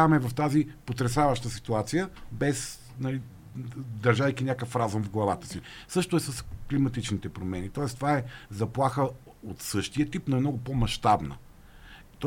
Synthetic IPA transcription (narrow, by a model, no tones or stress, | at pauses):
mɛvɐft̪azipot̪ɾɛsavəʃt̪əsi̥t̪uat̪sijəbɛs | nɐli | d̪ɐɾʒajkinʲakəfɾazumvɡlˠɐvat̪ə̥si | sɤʃt̪oɛsəsklimɐt̪it͡ʃnit̪ɛpɾomɛnit̪ɔɛst̪ovaɛzɐplˠaxə | ot̪sɤʃt̪iət̪ipnoɛmnɔɡʊpomɐʃt̪abnə̰ | t̪